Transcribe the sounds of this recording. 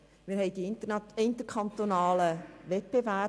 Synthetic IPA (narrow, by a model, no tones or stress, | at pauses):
miːɾɦɛɪdiɪnt̪əkʰant̪onɑːləvɛt̚b̥evɛ